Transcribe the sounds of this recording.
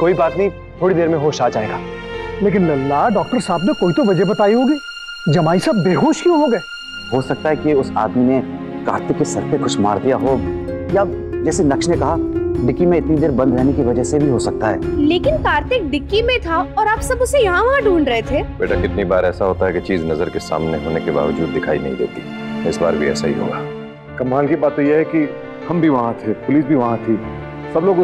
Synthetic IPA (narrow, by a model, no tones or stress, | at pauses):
koːibaːt̪nɐɦĩ | t̪ʰoːɽid̪eːɾmẽɦoːʃaːt͡ʃaːeɡaː | leːk̬ɪnlɐlːaːɖɔːk̚ʈəɾsaːbnekoːit̪oʋɐd͡ʒəɦbɐt̪aːiɦoːɡiː | d͡ʒɐmaːisaːbbeːɦoːʃkjũɦoːɡɐɛː | ɦoːsɐk̚t̪aɦɛkiʊsa̰ːd̪mine | ka̰ːɾt̪ɪkːesɐɾt̪exʊʃma̰ːɾd̪ijaɦojad͡ʒɛːsenɐkʃnekɐɦaɖɪkːimẽɪt̪nid̪eːɾbɐ̃nd̪ɾɛɦnekiʋɐd͡ʒəɦsebʱiɦosɐk̚t̪aɦɛ̰ːleːkɪnkaːɾt̪ɪk̚ɖɪkːimẽt̪ʰaɔːɾaːpsɐbʊsejɐɦãʋɐɦãɖʱuːɳɖɾɐɦet̪ʰeːbeːʈʰakɪt̪nibaːɾɛːsaɦoːt̪aɦɛket͡ʃiːznɐzəɾkesa̰ːmneɦoːnekeba̰ːʋəd͡ʒuːd̪ːɪkʰa̰ːḭnɐ̰ɦĩd̪ḛːt̪i | ɪsba̰ːɾbʱiɛ̰ːsaɦḭɦo̰ːɡaː | kɐmɦaːlkibaːt̪õjeɦɛki | hɐmbʱiʋɐɦãt̪ʰepʊliːsbʱiʋɐɦãt̪ʰi | sɐbloːɡ